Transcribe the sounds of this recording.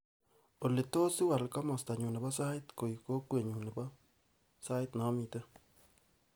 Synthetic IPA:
o˨le˨to˦si˦wa˨lkɔ˦mɔ˨sta˨ɲu˨nɛ˨bɔ˦sa˦ɪ˦t̪ko˨i˨ko˦kwe˨ɲu˨nɛ˨bɔ˦ | sa˦ɪ˦t̪nɔ˨˦mi˨te˦

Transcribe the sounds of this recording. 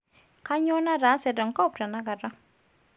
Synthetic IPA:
ka˦ɲɔ˦na˦ɾa˨˦sɛ˨dɔ˨ŋ˨ka˦˨pɾa˨na˦ɡa˨ɾa˦

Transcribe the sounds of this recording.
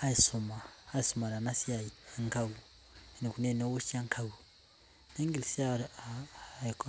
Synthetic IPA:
a˦i˨so˨maː˨˦i˨so˨ma˨la˨na˦si˦a˨ji˨eŋka˦wu˨ | e˨ne˨ku˨ne˨ne˦wo˦ʃi˦a˦ŋkʰa˨wu˨ | na˦ŋɡi˨li˨si˦a˦˨ | k

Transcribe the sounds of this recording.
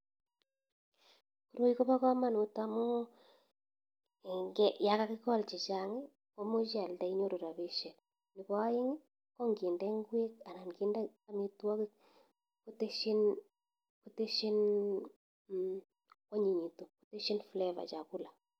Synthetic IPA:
ku˨ɾo˦i˦ko˦pa˦kɔ˦ma˦nu˨ta˦mu˦ | ŋɡɛ˦ja˨˦ka˦kɪ˦kɔ˦lt͡ʃɪ˨t͡ʃa˨ŋɪ˦ | kɔ˦mo˦t͡ʃa˨lda˨i˦ɲo˦ɾo˨ɾa˨βe˦ʃɛ˨l | nɪ˨pɔ˦jɪ˦ŋ˦ | kɔ˦ŋɡɪ˨ndɛ˦ŋɡwe˦ka˨na˨nɡi˦ndɛ˦a˨mi˨˦twa˦k | ku˦te˦ʃi˦n | ku˦te˦ʃi˦n | kɔ˦ɲi˨ɲi˨to˨ku̥˦te˦ʃi˦nflɛ˦va̰˨t͡ʃa˨ku˦la˨

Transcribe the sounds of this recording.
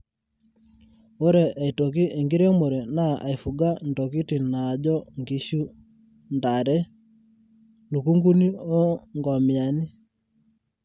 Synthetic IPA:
o˦ɾɛ˨ʔa˨i˨to˨k̬i˦ʔe˨ŋɡi˦ɾe˦mo˨ɾe˨na˦ʔa˨i˨fu˨ɡa˦n˨to˨ki˦ti˨n˨na˨d͡ʒɔ˦ŋɡi˦ʃu˦ | nda˨ɾɛ˦ | lu˨ku˦ŋɡu˦ni˦o˦ŋɡɔ˨mja˨ni˦

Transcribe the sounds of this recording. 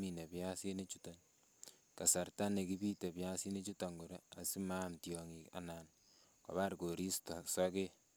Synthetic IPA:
mi˨ne˨pja˦si˦ne˦t͡ʃu˦ta˨n | ka˨sa˨rta˦ne˨ki˦bi˦te˨pja˦si˦ne˦t͡ʃu˦ta˨ŋɡo˨ɾa˦a˨si˦mamtjɔ˨ŋi˨ka̰˨na˨n | kɔ̰˨βa˦ɾko˨ɾi˦stɔ˨sɔke˦

